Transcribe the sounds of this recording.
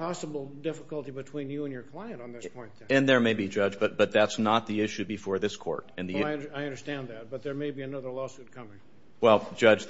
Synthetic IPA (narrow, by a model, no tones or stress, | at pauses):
pʰɑsəbl̩ˠdɪfəkəlˠtibɨtʰw̥ĩnjɨə̃njə˞kʰl̥aɪɨ̃ntn̩ðɪspʰɔ̃ɪ̃n | ɨ̃nðə˞meɪbid͡ʒʌd͡ʒb̥ʌt̪̚b̥ʌt̪̚ðætsnət̪̚ðiɪʃʉbɨfɔɹðɪskʰɔ̰ɹɾɨ̃nðiɪʌ̃naɪʌ̃ndə˞stæ̃nðæt̚b̥ʌt̪̚ðə˞meɪbiɨnʌðə˞lɔsʉt̚kʰʌ̃mɪ̃ŋ | wɛlˠd͡ʒʌd͡ʒ